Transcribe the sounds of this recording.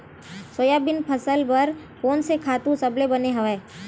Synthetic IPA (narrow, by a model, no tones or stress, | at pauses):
soːjabɪnpʰɐsəlpɐɾ | koːnsekʰaːt̪ũsɐblebɐneɦɐʋɛː